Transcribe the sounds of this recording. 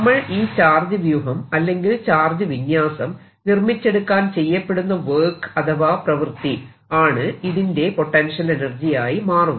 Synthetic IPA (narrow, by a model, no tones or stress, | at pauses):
ɐmːɐɭiːt͡ɕaːrd͡ʑɐʋjuɦɐmɐlːe̞ŋɡilt͡ɕaːrd͡ʑɐʋiɲjaːsɐm | nirmit͡ɕːe̞ɽukːaːnt͡ɕe̞jːɐpːe̞ɽunːɐʋeːkɐt̪ʰɐʋaːprɐʋɨrt̪i | aːɳɨiðinde̞po̞ʈːɐnʂɐle̞nɐrd͡ʑijaːjimaːrunː